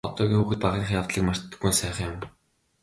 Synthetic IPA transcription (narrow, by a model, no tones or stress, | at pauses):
ɔt̪ɔːɣʲiːŋuːxɘ̆t̪paʁiːŋχjaw̥t̪ɮiːkmar̥t̪ːə̥̆ɡunsæːχə̆ŋjʊm